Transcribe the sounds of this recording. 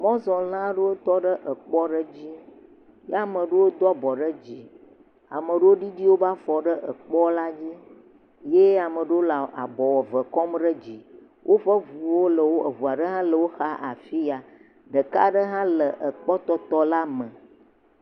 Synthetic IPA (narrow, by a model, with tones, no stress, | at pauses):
mɔ̃˦zɔ̃˨lã˦ɖə˦wo˦t̪ɔ˦ɖə˦ʔə˨k͡pɔ˦ɖə˦d͡ʑi˦ | ja˨mə̃˨ɖə˦wo˦d̪ɔ˦bɔ˨ɖə˦d͡ʑi˨ | a̰˨mə˨ɖə˦wo˦ɖi˦ɖi˦wo˦ba˦fɔ˨ɖə˦ʔə˨k͡pɔ˦la˦d͡ʑi˦ | je˦a˨mə˨ɖə˦wo˦la˨ʔa˨bɔ˨wɔ˨və˨kɔ˦mɖə˦d͡ʑi˨ | wʔo˦ɸə˦vu˨wo˦lə˨wo˦ə˨ɦu˨a˨ɖə˦ɦã˦lə˨wo˦xa˦ʔa̰˨fi˦a˨ | ɖə˨ka̰˦ɖə˦ɦã˦lə˨ʔə˨k͡pɔ˦t̪ɔ˦t̪ɔ˦la˦mə˨